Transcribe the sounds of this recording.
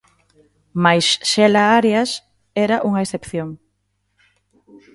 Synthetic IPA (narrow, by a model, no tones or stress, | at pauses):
majsʃɛlaaɾeas | ɛɾɐʔuŋɐesθepθjoŋ